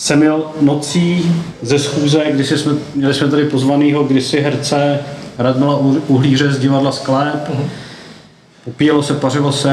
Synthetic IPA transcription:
sɛmjɛlnot͡siː | zɛsxuːzɛɡdɪsɪsmɛmɲɛlɪsmɛt̪adɪpozvaniːɦo̞ɡdɪsɪɦɾt͡sɛɦɾad̪̚mɪlauɦliːr̝ɛzɟɪvadlasklɛp | popijɛlosɛparɪlosɛ

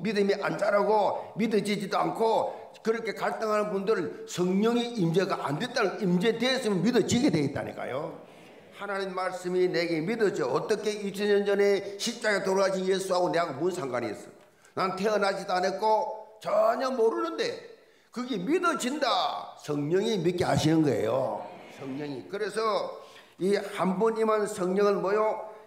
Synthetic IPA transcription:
midɯmiʔant͡ɕaɾaɡomidʌd͡ʑid͡ʑidoankʰo | kɯɾʌkʰe̞kaɭt͈ɯŋɦanɯnbundɯɾɯnsʰʌŋɲʌŋiimd͡ʑeɡaʔande̞t͈anɯnimd͡ʑe̞dwe̞ːs͈ɯmjʌnmidʌd͡ʑiɡedweit͈a̰ɲḭk͈a̰jo | hananinmaɭs͈ɯmineɡe̞midʌd͡ʑoʌt͈ʌkʰe̞it͡ɕʰʌnɲʌnd͡ʑʌne̞ɕʰip̚t͡ɕ͈aɾetoɾoaɕʰinjesʰuɦaɡoneaɡomunsʰaŋɡaniḛs͈ʌj | nantʰe̞ʌnad͡ʑidanet̚k͈ot͡ɕaɲʌnmoɾunɯnde̞ | kɯɡemidʌd͡ʑindasʰʌŋɲʌŋimit̚k͈eɦaɕʰinɯnɡʌḛjo̰sʰʌŋɲʌŋikɯɾe̞sʰʌ | ihambunimansʰʌŋɲʌŋɯnmʌjo

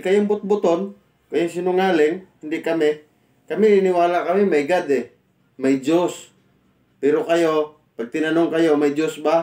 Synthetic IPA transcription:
kɐjombʊt̪̚bʊt̪on | kɐjoŋsinʊŋaːlɛŋhɪnd̪ɪkɐmɛ | kɐminɪnɪwaːlakɐmimajɡad̪ɛ | majd͡ʒos | pɛɾokajo | pɐɡ̚t̪ɪnanoŋkɐjomajd͡ʒosba

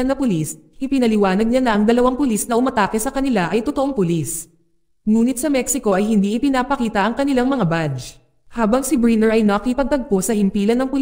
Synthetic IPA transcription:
ɐnɐpʊlisʔɪpɪnɐlɪwaːnɐɡ̚ɲanɐʔɐŋd̪ɐlɐwaŋpʊlisnɐʔʊmɐt̪aːkɛsɐkɐnɪlaʔɐjt̪ot̪oʔoŋpʊlis | ŋuːnɪt̪̚sɐmɛksɪko̞ʔɐjɦɪnd̪iʔɪpɪnaːpɐkiːt̪ɐʔɐŋkɐnɪlaŋmɐŋabad͡ʒ | haːbɐŋsɪbɹinɛɹʔɐjnɐkɪpɐɡ̚t̪ɐɡ̚posɐhɪmpiːlɐnːɐŋpʊl

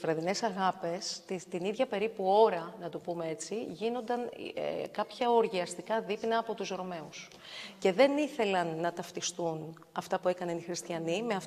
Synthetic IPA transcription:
vɾɐðine̞sɐɣɐpe̞st̪it̪iniðʝɐpe̞ɾipuo̞ɾɐnɐt̪opumee̞t͡siʝino̞nd̪ɐn̰kɐpçɐo̞ɾʝiɐst̪ikɐðipnɐːpo̞t̪usɾo̞me̞us | ce̞ðe̞niθe̞lɐnːɐt̪ɐft̪ist̪un | ɐft̪ɐpue̞kɐne̞nixɾist̪çɐnimeɐf

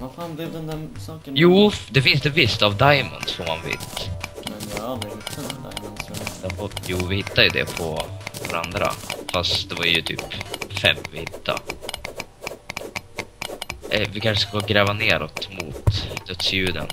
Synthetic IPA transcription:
faːbɛd̪ɛnd̪ɛsɑːkjuːd̪ɛfɪns̬d̪ɛvɪst̪avd̪ajmə̰nd̪sfɔmanvɪ̰t̪ | ansd̪ɛjuːvɪhɪt̪ːajɵd̪ɛ̰pʰɔvaɾa̰nd̪ɾa̰fast̪d̪ɛvaɾjɵt̪ʰy̰ːpfɛ̰mːvɪhɪt̪ːa̰ | ɛvɪkʰanʂəskoɡɾɛːvaneːɾɔt̪mʊ̰t̪d̪̥œt̪sjʉ̟ːd̪ə̰n

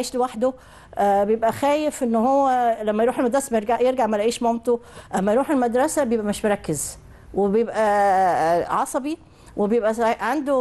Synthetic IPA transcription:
eːʃliwaħd̪o | ʔbejebʔæxæːjefʔenːhowːælæmːæjɾuːħelmæd̪ɾˤɑsæmæjeɾɡaʕjeɾɡaʕmælæʔiːʃmɑmt̪ˤoʔæmːæjɾuːħelmæd̪ɾˤɑsæbjebʔæmeʃmoɾˤɑkːez | webejebʔæ | ʕɑsˤɑbi | webejebʔæʕand̪o

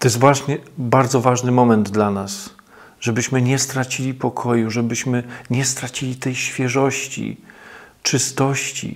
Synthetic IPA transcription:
t̪ɔjɛst̪vwaɕɲɛbaɾd̪zɔvaʐnɘmɔmɛnd̪d̪lanas | ʐ̥ɛbɘɕmɘɲɛst̪ɾat͡ɕilʲipɔkʰɔjuʐɛbɘɕmɘɲɛst̪ɾat͡ɕilʲit̪ɛjɕfʲjɛʐɔɕt͡ɕḭ | t͡ʂɘst̪ɔɕt͡ɕḭ

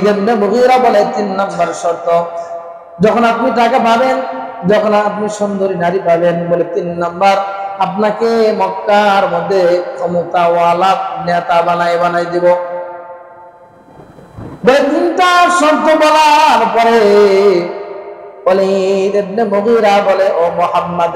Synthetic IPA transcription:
d̪ebnemoɣiɾabɔlet̪inːambaɾsɔɾt̪ɔ | d͡ʒɔkʰɔnapniʈakabʱaben | d͡ʒɔkʰɔnap̚niʃɔnd̪oɾinaɾipabenbolet̪inːambaɾapnakemɔkːaɾmɔd̪ʱːekʰɔmot̪awalap̚nɛt̪abanajbanajd̪ibo | bɔlet̪int̪asɔɾt̪obɔlaɾpɔɾe | bɔled̪ebnemoɣiɾabɔleʔɔmohamːad̪

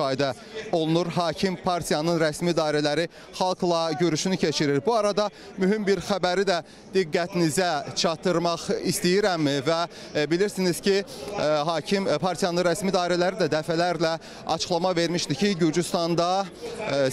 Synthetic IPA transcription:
ɑːid̪æ | o̞lˠunuɾɦɑːcʰimpʰɑɾt̪ʰijɑnɯnɾæsmid̪ɑːiɾælæɾi | χɑlˠklˠɑɟøɾyʃynycʰe̞t͡ʃʰiɾiɾbuɑɾɑd̪ɑ | myɦimbiɾxæbæɾid̪æ | d̪̥iɡːæt̪ʰinizæt͡ʃʰɑt̪ʰːɯɾmɑχist̪ijiɾæmːvæ | biliɾsiniz̥ciɦɑːcʰimpʰɑɾt̪ʰijɑnɯnɾæsmid̪ɑːiɾælæɾid̪æd̪æfælæɾlæ | ɑ̰t͡ʃʰɯ̥χlˠɑmɑve̞ɾmiʃd̪icʰiɟyɾd͡ʒyst̪ɑnd̪ɑ

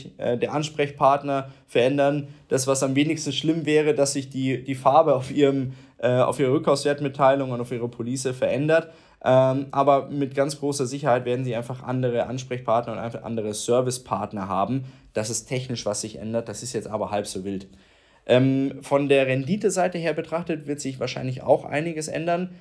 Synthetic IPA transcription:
çʔɛ̰ːdeːɐʔanʃpʁ̥ɛçpʰaɐtnɐfɛɐʔɛndɐnd̥asv̥asamveːnɪçstn̩ʃlɪmvɛːʁ̞ədasz̥ɪçd̥iːd̥iːfaɐbəaʊfʔiːʁəmʔɛːa̰ʊfʔiːʁəʁʏkʰːaʊsv̥eːɐtmɪtʰːaɪlʊŋʊntaʊfʔiːʁəpʰoliːsəfɛɐʔɛndɐt | ʔɛːʔaːbɐmɪtɡ̥ant͡sɡ̥ʁoːsɐzɪçɐhaɪtveːɐdn̩ziːʔaɪnfaχʔa̰ndəʁəʔa̰nʃpʁ̥ɛçpʰaɐtnɐʊntʔa̰ɪʔa̰ndəʁ̞əsœɐvɪspʰaɐtnɐɦa̰ːbm̩d̥asɛstʰɛçnɪʃv̥asz̥ɪçʔɛ̰ndɐt̚d̥asɪstjɛt͡stʔaːbɐhalpz̥oːvɪlt | ʔɛːmfɔndeːɐʁɛndiːtəzaɪtəheːɐbətʁ̥aχtətv̥ɪɐtz̥ɪçv̥aːɐʃaɪnlɪça̰ʊxʔa̰ɪnɪɡəsʔɛ̰ndɐn

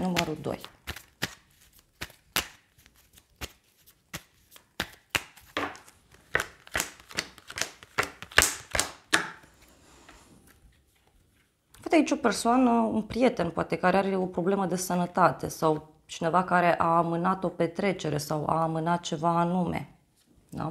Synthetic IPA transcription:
numəɾud̪o̰j | afost̪ait͡ʃʲo̞pe̞rsoanəunpɾije̞t̪e̞npoat̪e̞kaɾeaɾeo̞pɾo̞ble̞məd̪e̞sənət̪at̪e̞̰saw | t͡ʃine̞vakaɾe̞ʔaːmɨnat̪o̞pe̞t̪ɾe̞t͡ʃe̞ɾe̞sawa̰ːmɨnat̪̚t͡ʃe̞vaːnumḛ | na̰

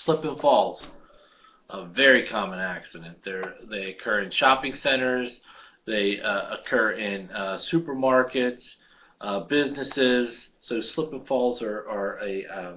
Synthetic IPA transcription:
slɪpɨ̃ɱfɔlˠz̥ | ʔəvɛɹikʰɑmə̃næksɨɾɨ̃nðə˞ðeɪɨkʰɜ˞ɨ̃nʃɑpɪ̃ŋsɛ̃ɾ̃ə˞z̥ | ðeɪə̰kʰɜ˞ɪ̃nʌsʉpə˞mɑɹkɨts | ʔbɪznɨsɪz̥soʊslɪpə̃nfɔlˠzə˞ə˞ɨ

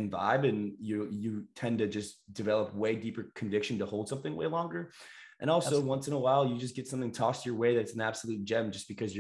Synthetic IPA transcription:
ɨ̃ɱva̰ɪbɨ̃njɨjɨtʰɛ̃ntɨd͡ʒʌsd̥ɨvɛlˠəp̚weɪdipə˞kʰɨ̃ɱvɪkʃɨ̃n̩təhoʊlˠd̥sʌ̃mθɪ̃ŋwʔḛɪlɔ̃ŋɡə˞ | ʔɨ̰̃ɾ̃ɔlˠsoʊwʌ̃nsɨ̃nəwaɪlˠjɨd͡ʒʌsɡ̥ɛtsʌ̃mθɪ̃ŋtʰɔstə˞weɪðɨɾɨtsn̩æb̥səlʉt̚d̥ʒ̥ɛ̃md͡ʒʌsb̥ɨkʰʌzjə

